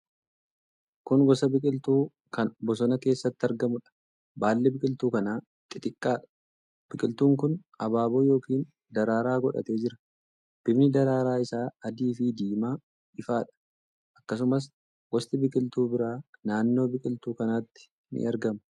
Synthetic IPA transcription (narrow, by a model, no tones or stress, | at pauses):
kʊnɡɔsɐbɪkʼɪlt̪uː | kɐnbɔs̬ɔnɐke̞ːsːɐt̪ːɪɐɾɡɐmʊᶑɐ̥ | baːlːɛbɪkʼɪlt̪uːkɐnaː | t̪ʼːɪt̪ʼɪkʼːaːᶑɐ̥ | b̥ɪkʼɪlt̪uːŋkʊn | ɐbaːboːjo̞ːkiːn | d̪ɐɾaːɾaːɡɔᶑɐ̰t̪e̞ːd͡ʒɪɾɐ̥ | b̥ɪbnɪd̪ɐɾaːɾaːɪsaːɐd̪iːfid̪iːmaː | ɪfaːᶑɐ̥ | ʔɐkːɐs̬ʊmɐs̬ | ɡɔst̪ɪbɪkʼɪlt̪uːbɪɾaːnaːnːo̞ːbɪkʼɪlt̪uːkɐnaːt̪ːɪ̥ | nɪ̰ɐɾɡɐmʊ